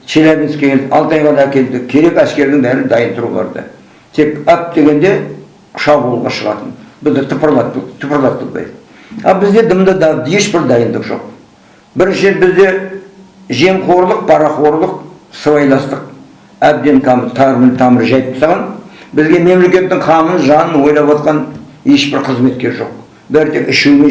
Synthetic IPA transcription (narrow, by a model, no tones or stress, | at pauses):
sʰelæbʲinskʲeɡʲelɑ̰lˠt̪ɑjʁɑd̪ɑækʲe̞ld̪ɪkʲʰːe̞ɾe̞pæskʲe̞ɾd̪ɪŋbæɾɪnd̪ɑjənt̪ʰʊɾṵlˠɑ̰ɾd̪ə̰ | t̪ʰe̞kæp̚d̪e̞ɡʲe̞nd̪e̞ | ʃɑbulˠʁɑ̰ʃəʁɑ̰t̪ənbɪzd̪et̪ʰʊpəɾlˠɑt̪ʰʊpəɾlˠɑt̪̚ːəlˠbɑ̰jd̪ə | ɑ̰lˠbɪzd̪e̞d̪əmd̪əd̪ɑd̪jeʃbɪɾd̪ɑjənd̪əqʒo̞̰q̚ | bɪɾʒe̞ɾbɪzd̪e̞ | ʒe̞mqʰo̞ɾlˠəq̚pʰɑɾɑχo̞ɾlˠəq̚səvɑjlˠɑst̪əq̚ | æb̚d̪e̞nt̪ʰɑmt̪ʰɑɾment̪ʰɑməɾʒɑjp̪̚sɑʁɑnbɪzɡʲe̞me̞mle̞kʲe̞t̪ːɪŋqʰɑmənʒɑnənwo̞jlˠɑpwɑt̪qɑne̞ʃbɪɾqʰəzme̞t̪̚kʲe̞ɾʒo̞̰q̚ | bæɾt̪ʰe̞kɪʃeme